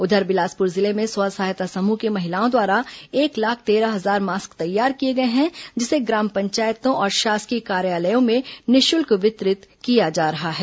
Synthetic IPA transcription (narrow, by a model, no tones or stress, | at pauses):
ʊd̪ʱəɾbɪlaːspʊɾzɪlemẽswaːsaːjt̪asɐmukemɐɦɪlaːõd̪waːɾaeːklaːkʰt̪eːɾaɦɐzaːɾmaːskt̪ɐjːaːɾkieɡɐeɦɛ̃d͡ʒɪseɡɾaːmpɐ̃ɲt͡ʃaːjt̪õʔɔːɾʃaːskikaːɾjaːləjõmẽnɪʃʊlkʋɪt̪ɾɪt̪kijad͡ʒaːɾɐɦaɦɛː